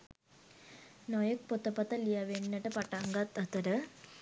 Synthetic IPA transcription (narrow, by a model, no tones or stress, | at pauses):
nɔjək̚pot̪ɐpɐt̪ɐlijaʋenːɐʈəpaʈaŋɡat̪ɐt̪ɐɾə